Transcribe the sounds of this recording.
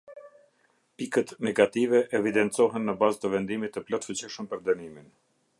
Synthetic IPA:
pikət̪nɛɡat̪ivɛʔɛvid̪ɛnt̪t͡sɔɦɛnːəbazt̪əvɛnd̪imit̪ːəplɔt̪fut͡ɕiʃəmpəɾd̪ənimin

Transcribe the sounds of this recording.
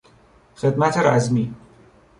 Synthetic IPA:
xed̪mæt̪ʰeɾæzmiː

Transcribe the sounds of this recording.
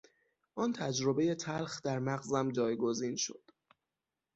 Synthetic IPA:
ʔɒːnt̪ʰæd͡ʒɾobe̞je̞t̪ʰælxd̪æɾmæɣzæmd͡ʒɒːjɡo̞ziːnʃo̰d̪̥

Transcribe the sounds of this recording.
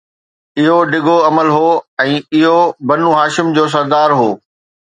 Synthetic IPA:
ɪɦoɖɪɡʱoɐməlɦoːɛ̃ːɪɦobɐnũɦaːʃɪmd͡ʑoːs̬ɐɾd̪aːɾɦoː

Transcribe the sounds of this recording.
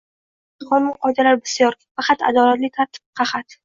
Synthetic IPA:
χɒnmɪnqʰɒjd̪alaɾbɪsɪjɒɾfɑqʰɑt̪a̰d̪ɒlat̪lɪt̪ʰaɾt̪ʰɪ̥p̚qʰɑχat̪

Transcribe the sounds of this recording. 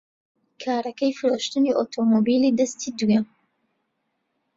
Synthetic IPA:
kʰaːɾɐkɐjfɨɾoːʃt̪ɨniʔot̪ʰomobiːliːd̪ɐst̪iːd̪ujɛm

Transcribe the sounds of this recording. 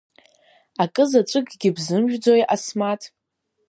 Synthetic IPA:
akʼɨzaʈ͡ʂʷʼɨɡʼɡʲɪbzɨmʒᶣd͡zo̞jasmatʰʼ

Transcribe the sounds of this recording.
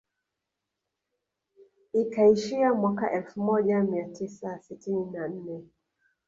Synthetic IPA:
ikaiʃiamwakaʔɛlfumɔʄamiatʰisasitininan̩nɛ

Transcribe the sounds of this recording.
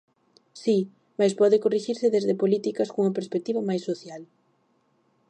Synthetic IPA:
si | majspɔðɪkoriʃiɾsɪðezðepolit̪ikɐskouŋɐpeɾspek̚t̪iβɐmajsːoθjal

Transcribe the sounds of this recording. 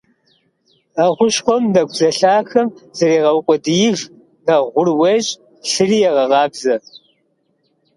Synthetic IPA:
aʁʷʊʃχʷɔmnɐɡʷzɐɬaːxɐmz̥ɐɾeːʁɐwkʷʼɔdɨjɪv | nɐʁʷʊrwɐʒʼ | ɬɨriːjɛʁɐʁɑːbzɐ

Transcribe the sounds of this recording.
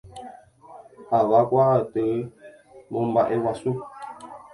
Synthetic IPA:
aβakwatə | mombaʔewasu

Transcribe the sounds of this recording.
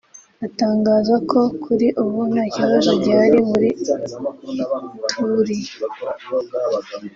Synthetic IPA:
ataːŋɡaːzakʰo̞kʰuɾiʔuβunaciβazobɟaːɾiβuɾi | tʰuɾij

